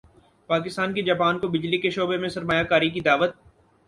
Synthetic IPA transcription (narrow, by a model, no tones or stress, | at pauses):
paːkɪst̪aːnkid͡ʒaːpaːnkobɪd͡ʒlikeʃoːbemẽsɐɾmaːjakaːɾik̬id̪aːʋət̪̚